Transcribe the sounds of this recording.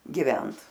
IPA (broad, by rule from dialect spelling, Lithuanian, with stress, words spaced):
ɡʲɪˈʋʲɛnt